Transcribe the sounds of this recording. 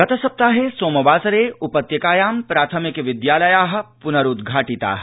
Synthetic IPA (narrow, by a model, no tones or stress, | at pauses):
ɐt̪ʰɐsɐp̚t̪aːɦeːsoːmɐbaːsɐɾeːʊpɐt̪jɐkaːjaːmpɾaːt̪ʰɐmɪkeʋɪd̪jaːlɐjaːɦ̆pʊnɐɾʊd̪ɡʱaːʈit̪a̰ːɦ